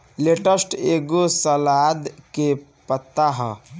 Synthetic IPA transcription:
leʈəsʈeɡosəlad̪ke | pət̪ːaɦə̰̃

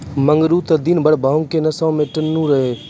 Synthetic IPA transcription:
məŋɡɾuːt̪ɐd̪iːnbəɽbʱaːʊ̃ŋkeːnɐsãːmẽːʈənːũːɾəɦeː

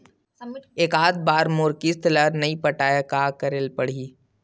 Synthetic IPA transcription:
eːkaːd̪̚baːɾmʊːɾkist̪ləɾnɐipɐʈaːjakaːkɐɾelpɐɽ̤iː

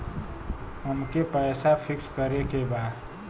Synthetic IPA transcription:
ɦəmkepəːsapʰɪkskəɾekebaːd̪

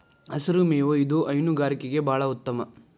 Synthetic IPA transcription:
ɐsɐɾumeːʋoid̪uʔɐjnuɡaːɾikeɡe̞bʱaːɭɐut̪ːɐmɐ

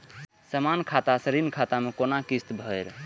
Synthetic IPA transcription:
səmankʰat̪asəɾinkʰat̪amekonakist̪bʱəɾ

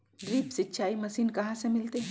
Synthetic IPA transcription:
ɖɾiːpsɪtːʃʰaːimɐsiːnkɐɦãsemɪlt̪eɦ

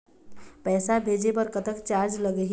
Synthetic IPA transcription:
pɛːsabʱeːd͡ʒepəɾkət̪əkt͡ʃaɾd͡ʒləɡəɦ

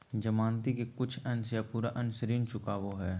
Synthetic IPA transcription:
d͡ʒɐmãːnt̪ikekʊt͡ʃʰɐnsjapuːɾaʔɐnsəɾiːnt͡ʃʊkaʋoɦɛː

